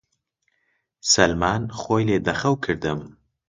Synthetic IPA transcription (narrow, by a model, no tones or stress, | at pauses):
sɐlmaːnχoːjleːd̪ɐχɐwkʰɨɾd̪ɨm